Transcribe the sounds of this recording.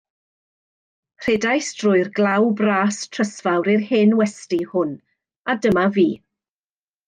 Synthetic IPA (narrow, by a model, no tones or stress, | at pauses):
r̥eːdajstʰrʊɨrɡlˠawbraːstʰr̥əsv̥awɾirheːnwɛstihʊn | adəmaviː